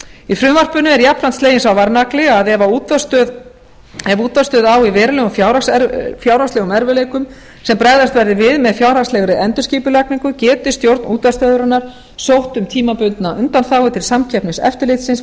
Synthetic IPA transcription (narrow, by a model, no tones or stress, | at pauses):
ifɾʏmvar̥pʏnʏɛɾjapnant̪st̪leːjɪnsawvaɾnaklɪaðɛvauːt̪vast̪œð | ɛvuːt̪vast̪œːðawivɛːɾalɛɣʏmfjawɾasɛɾfjawɾast̪lɛːɣʏmɛɾvʏleːjkʏm | sɛmpɾaɣðast̪vɛɾðɪvɪðmɛðfjawɾaslɛːɣɾɪɛnt̪ʏsciːpʏlak̚niŋkʏcɛːt̪ɪst̪jowɾt̪nuːt̪vast̪œːðʏɾanːaɾ̥ | sowht̪ʏmt̪ʰiːmapʏnt̪naʔʏnt̪anθaːwɪt̪ʰɪlsamcʰɛpnɪsɛ̰ft̪ɪɾlɪt̪sɪns